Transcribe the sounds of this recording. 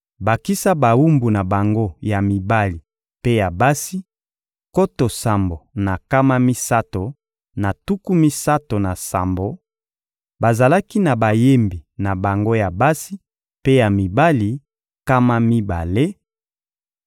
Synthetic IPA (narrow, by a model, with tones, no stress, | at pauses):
ba˨ki˦sa˦ba˨wu˦mbu˨na˨ba˨ŋɡo˦ja˨mi˨ba˦li˨ | pe˦ja˨ba˦si˦ | ko˦to˨sa˨mbo˨na˨ka˦ma˦mi˦sa˦to˨ | na˨tu˦ku˦mi˦sa˦to˨na˨sa˨mbo˨ | ba˨za˨la˦ki˦na˨ba˨je˦mbi˨na˨ba˨ŋɡo˦ja˨ba˦si˦ | pe˦ja˨mi˨ba˦li˨ | ka˦ma˦mi˦ba˨le˦